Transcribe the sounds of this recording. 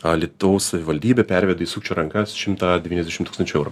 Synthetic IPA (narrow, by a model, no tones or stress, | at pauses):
ɐlʲɪt̪oʊssɐʋʲɪʋɐlʲd̪ʲiːbʲɛpʲæɾʲʋʲɛd̪ɐiːsuːkt͡ʃʲoːɾɐŋkɐsʃʲɪmt̪ɑd̪ʲɛʋʲiːnɛzd̪ʲɛʃʲɪmt̪ukst̪ɐnt͡ʃʲʊɛʊɾʊ